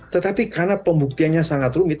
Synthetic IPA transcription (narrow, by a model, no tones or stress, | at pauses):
t̪ət̪apikarnapəmbuk̚t̪ianɲasaŋat̪rumɪt̪̚